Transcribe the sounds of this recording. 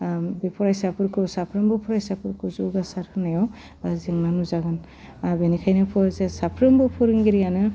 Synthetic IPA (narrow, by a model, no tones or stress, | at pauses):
bepʰɔɾajsapʰɯɾkʰɯsapʰɾɯmbɯpʰɔɾajsapʰɯɾkʰuzuwɡasaɾkʰɯnajaw | zeŋnanuzaɡan | benikʰajnɯpʰɔɾzesapʰɾɯmbɯpʰuɾiŋɡiɾijanɯ